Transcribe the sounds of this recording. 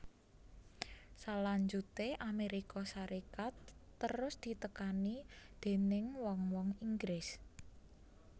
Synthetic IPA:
salaɲd͡ʒut̪eʔameɾikɔsaɾikat̪ːəɾʊsd̪̥i̤t̪əkanid̪̥e̤nɪŋwɔŋwɔŋiŋɡɾɪs

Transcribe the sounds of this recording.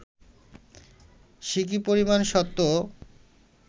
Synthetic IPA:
ʃik̬ipoɾimanʃɔt̪ːo

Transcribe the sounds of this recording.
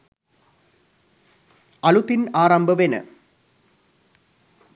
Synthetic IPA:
ɐlut̪ːinaːɾɐmbʱɐʋenɨ̰

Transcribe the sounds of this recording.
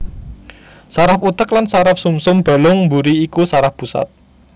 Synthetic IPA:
saɾafut̪əklansaɾapsumsʊmb̥a̤lʊŋmbuɾiːkusaɾafpusa̰t̪̚

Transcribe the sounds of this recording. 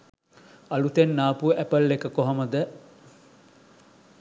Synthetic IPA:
ɐlut̪enːaːpuəʔæpəlːekəkoɦoməd̪æ

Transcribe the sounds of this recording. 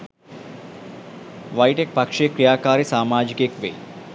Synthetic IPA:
ʋɐjʈek̚pɐkʂeːkɾijaːkaːɾisaːmaːd͡ʒikekʋḛj

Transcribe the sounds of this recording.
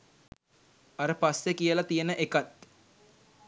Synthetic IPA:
aɾəpasjekijəlat̪ijənəʔekat̪

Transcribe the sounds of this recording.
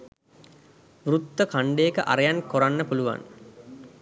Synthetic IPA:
ʋrut̪ːəkaɳɖejːkəʔa̰ɾejankoɾanːəpuluʋa̰n

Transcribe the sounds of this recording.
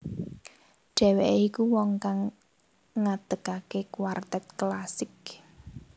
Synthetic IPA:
ɖ̥ɛ̤weʔikuwɔŋkaŋː | ad̪̥əkakekwart̪ɛt̪̚klasɪk̚

